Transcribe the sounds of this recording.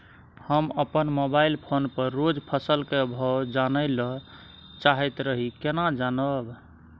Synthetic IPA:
həməpənmobailpʰonpəɾːod͡ʒpʰəsəlkebʱɔd͡ʒanəjlə | t͡ʃaɦɛt̪ɾəɦikenad͡ʒanəb

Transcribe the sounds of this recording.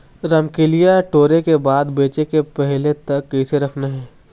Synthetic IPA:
ɾɐmkelijaʈoːɾekebaːd̪beːt͡ʃekepɛɦlet̪ɐkːɛɪseɾɐkʰnaɦɛː

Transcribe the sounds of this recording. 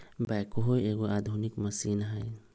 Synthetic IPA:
bajkoɦojeɡoʔad̪ʱunikmɐsinɦəj

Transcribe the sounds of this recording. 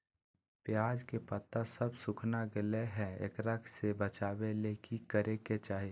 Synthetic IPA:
pjaːd͡ʒkepət̪ːasəbsʊkʰnaɡɪleɦɛ̃ḛːkɾəkʰsebət͡ʃaːbeleːkikəɾeket͡ʃaːɦi

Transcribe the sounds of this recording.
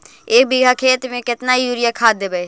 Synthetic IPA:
eːk̚bʱɪɡʱakʰeːt̪mẽːkɪt̪naːijuːɾɪjakʰaːd̪eːbeː

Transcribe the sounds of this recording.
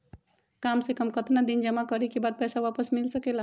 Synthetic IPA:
kamsekəmkət̪nad̪ind͡ʒəmakəɾikibad̪̚pɛsaʋapəsmilsəkela

